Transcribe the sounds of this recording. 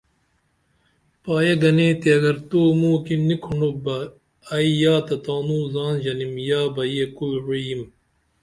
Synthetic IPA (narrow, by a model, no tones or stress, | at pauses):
paːjɐɡɐneːt̪iɐɡɐɾt̪oːmuːkinːikʰuɳobɐː | ijaːt̪ɐt̪aːnuːzaːnʑɐnimjaːbɐjekulɾujim